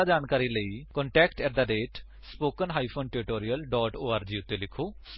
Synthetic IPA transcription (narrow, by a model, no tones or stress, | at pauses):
ad͡ʒaːnkaːɾiːləiːkɔːɳʈɛːkʈɛːd̪aːɖeːʈ | spoːkənɦaːipʰoːnʈɪɾɪʈoːɾijəlɖɔːʈoːaːɾd͡ʒiːʊt̪ːeːlɪkʰoː